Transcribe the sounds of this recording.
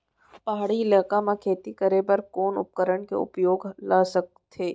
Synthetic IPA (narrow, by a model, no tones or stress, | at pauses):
paɦaɽiɪləːkamãkʰeːt̪ikəɾebɐɾkoːnʊ̰p̚kəɾəɳkḛʊ̰pjoːɡlaːsək̚tt̪ʰeː